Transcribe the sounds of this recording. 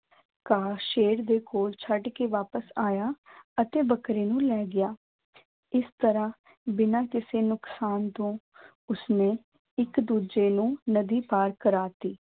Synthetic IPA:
kaːʃeːɾd̪eːkoːlt͡ʃʰəɖkeːʋaːpəsaːjaːət̪eːbəkɾeːnũːlɛːɡɪjaː | ɪst̪əɾãː | bɪnãːkɪseːnʊksaːnt̪õː | ʊsneː | ɪkd̪uːd͡ʒeːnũːnəd̪iːpaːɾkəɾaːt̪iː

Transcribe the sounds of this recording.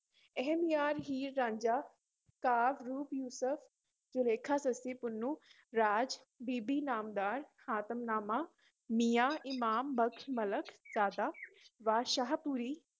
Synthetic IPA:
ɛɦɛmijaːɾɦiːɾːãːɲd͡ʒaː | kaːʋɾuːpjuːsəfʰ | d͡ʒʊleːkʰaːsəsiːpʊnːũː | ɾaːd͡ʒ | biːbiːnaːmd̪aːɾhaːt̪əmnaːmaː | miːjaːʔɪmaːmbəkʰmələkʰzaːd̪aːʋaːʃaːɦpuːɾiː

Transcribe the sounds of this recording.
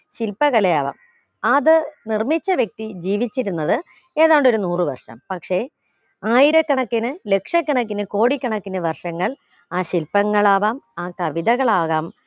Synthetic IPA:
ɕilpːɐɣɐlɐja̰ːʋa̰ːm | ɐðɨnirmit͡ɕːɐʋjek̚t̪id͡ʑiːʋit͡ɕːiɾunːɐðɨ | e̞ːðaːɳɖo̞ɾunuːrɨʋɐ̰rʂɐ̰mpɐkʂe̞ | aːjiɾɐkːɐɳɐkːinɨle̞kʂɐkːɐɳɐkːinɨko̞ːɽikʲːɐɳɐkːinɐʋɐrʂɐŋːɐɭ | aːɕilpɐŋːɐɭaːʋaːmaːkɐʋiðɐɣɐɭaːɣaːm

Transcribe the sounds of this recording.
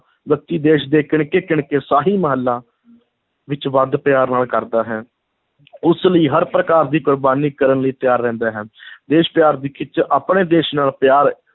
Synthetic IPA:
ʋjək̚t̪iːd̪eːʃd̪eːkɪɳkeːkɪɳkeːsaːɦiːməɦəlːãː | ʋɪt͡ʃʋad̪pɪjaːɾnaːlkəɾd̪aːɦɛː | ʊsləiːɦəɾpɾəkaːɾd̪iːkʊɾbaːniːkəɾənləiːt̪ɪjaːɾːɛ̃ːnd̪aːɦɛːd̪eːʃpjaːɾd̪iːkʰɪt͡ʃʔaːpɽ̃eːd̪eːʃnaːlpjaːɾ

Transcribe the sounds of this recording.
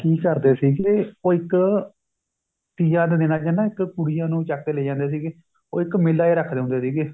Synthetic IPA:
kiːkəɾd̪eːsiːɡeoːɪk | t̪iːjãːd̪eːd̪ɪnaːd͡ʒɪnãːɪkkʊɽɪjãːnũːt͡ʃaːkːeːleːd͡ʒãːnd̪eːs̬iːɡeː | o̰ːɪkmɪlːaːeːɾəkʰːd̪eːɦʊ̃nd̪eːsiːɡeː

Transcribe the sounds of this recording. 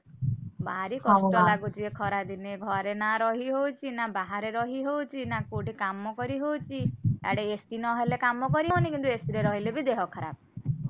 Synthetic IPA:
baɾikɔʃʈɔlaɡut͡ʃʰiekʰɔɾad̪ineɡʱɔɾenaɾɔɦiɦowt͡ʃʰinabaɦaɾeɾɔɦiɦowt͡ʃʰinakoʈikamɔkɔɾiɦowt͡ʃʰia̰ɽeesʈinɔɦelekamɔkɔɾiɦɔnikint̪uesiɾeɾɔɦilebid̪eɦɔkʰɔɾa̰b̚

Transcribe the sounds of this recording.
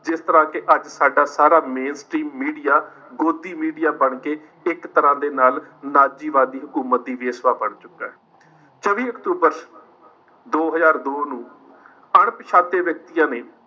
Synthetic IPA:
d͡ʒɪst̪əɾãːkɪʔəd͡ʒsaːɖaːsaːɾaːmeːnsʈɾiːmːiːɖijaː | ɡoːd̪iːmiːɖijaːbəɳkeː | ɪkt̪əɾãːd̪eːnaːlnaːd͡ʒiːʋaːd̪iːɦʊkuːmət̪̚d̪iːʋeːsʋaːbəɳt͡ʃʊkːaːɛː | t͡ʃəʋiːəkt̪uːbəɾ | d̪oːɦəzaːɾd̪oːnũː | əɳpəʃʰaːt̪eːʋək̚t̪ijãːneː

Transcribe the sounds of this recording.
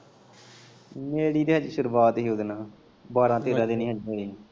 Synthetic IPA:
meːɽiːd̪eːɦəd͡ʒʃʊɾuːʋaːt̪ɦiːʊd̪nãː | baːɾãːt̪eːɾãːd̪eniːɦəd͡ʒmeːɾiː

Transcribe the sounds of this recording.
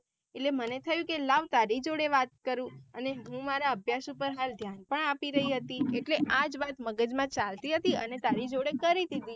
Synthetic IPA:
eʈlemənet̪ʰəjũkelaʋt̪aɾid͡ʒoɽeʋat̪̚kəɾũəneɦũmaɾaəbʱjasupəɾɦald̪ʱjanpəɳapiɾəɦiɦət̪ieʈleʔad͡ʒʋat̪məɡəd͡ʒmãt͡ʃalt̪iɦət̪iənet̪aɾid͡ʒoɽekəɾid̪id̪i

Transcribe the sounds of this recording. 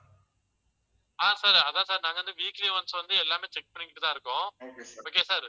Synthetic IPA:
aːsaːɾɐðãːsaːɾnãːŋɡɐʋɐnd̪ɯʋiːkleːʋɐnsɐ̃ʋɐnd̪ɯɛlːaːmeːt͡ʃɛk̚pɐɳːɪkɪʈːɯt̪ãɪɾɯkːʊ̃koːkeːsaːɾ

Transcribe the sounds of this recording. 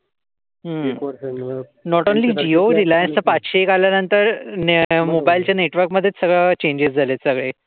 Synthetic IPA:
ɦə | nɔʈonliːd͡ʑioɾilajənst͡səpat͡sɕeːkaljanənt̪əɾnmobailt͡ɕjaneʈʋəɾkməd̪ʱːjet͡ssəɡɭat͡ɕeɲd͡ʑesd͡zʱalet̪səɡɭe

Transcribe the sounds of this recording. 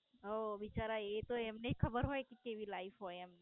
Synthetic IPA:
ɦoʋɪt͡ʃaɾaet̪oemneikʰəbəɾɦojkikeʋilaifɦoeɛmne

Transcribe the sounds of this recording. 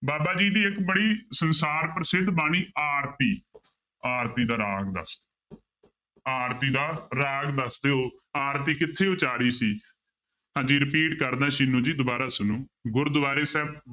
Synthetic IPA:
baːbaːd͡ʒiːd̪iːɪkbəɽiːsənsaːɾpɾəsɪd̪baːñiːaːɾt̪iː | aːɾt̪iːd̪aːɾaːɡd̪ə̰sd̪e | aːɾt̪iːd̪aːɾãːɡd̪əsd̪eːoːaːɾt̪iːkɪt̪ʰːeːʊt͡ʃaːɾiːsiː | ãːd͡ʒiːɾɪpiːʈkəɾd̪ãːʃɪnũːd͡ʒiːd̪ʊbaːɾaːsʊnũːɡʊɾd̪ʊbaːɾeːsɛːb̚

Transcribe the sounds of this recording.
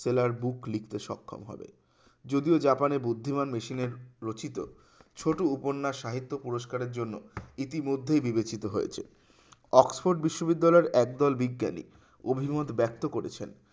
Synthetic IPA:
selaɾbuklik̚ʰt̪eʃɔ̰kʰːo̰mɦɔ̰bḛ | d͡ʑod̪iod͡ʑapanebud̪ʱːimanmeʃineɾːot͡ɕit̪o̰ | t͡ɕʰoʈouponːaʃaɦit̪ːopuɾoʃkaɾeɾd͡ʑonːoit̪imod̪ʱːejbibet͡ɕit̪oɦojḛt͡ɕʰḛ | ɔksfoɾɖbiʃːobid̪ːalɔeɾʔɛk̚d̪ɔlbiɡːa̰nḭ | obʱimot̪bɛk̚t̪okoɾḛt͡ɕʰḛn

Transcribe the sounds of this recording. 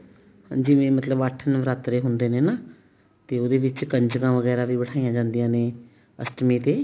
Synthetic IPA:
d͡ʒiʋẽːmət̪ləbaːʈʰːənʋɾaːt̪ɾeːɦʊnd̪eːnẽːnaː | t̪eːod̪eːʋɪt͡ʃkəɲd͡ʒɡãːʋəɡɛːɾaːbiːbəɽʰaːijãːd͡ʒãːnd̪ijãːnẽː | ə̰sʈmiːt̪eː

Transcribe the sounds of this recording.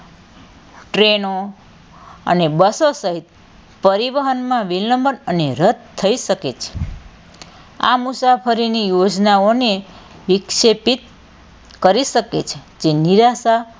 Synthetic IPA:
ʈɾeno | ə̰nebəsosəɦit̪̚ | pəɾiʋəɦənmãʋiləmbənəneɾəd̪̚t̪ʰːəiʃəket͡ʃʰe̥ | a̰musapʰəɾinijod͡ʒnaone | ʋikʃepit̪ | kəɾiʃəket͡ʃʰe̥ | d͡ʒeniɾasa

